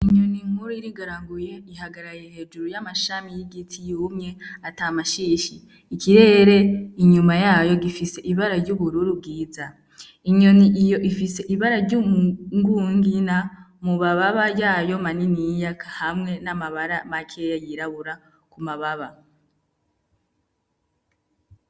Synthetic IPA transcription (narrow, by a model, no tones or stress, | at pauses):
iɲo̞niŋhuɾuiɾiɡaɾaŋɡuje̞iɦaɡaɾajehe̞ːd͡ʒuɾujamaʃamijiɡitʰijuːmɲe̞atamaʃiːʃiː | kʰiɾe̞ːɾe̞iɲumajaːjo̞ɡifise̞ʔiβaɾaɾɟuβuɾuɾub̚ɡiːza | iɲo̞niʔijo̞ʔifise̞ʔiβaɾaɾɟumuŋɡuːŋɡina | muβaβaβajaːjo̞maninijakʰahamŋe̞namaβaɾamakʰe̞jajiɾaβuɾa | kumaβaβa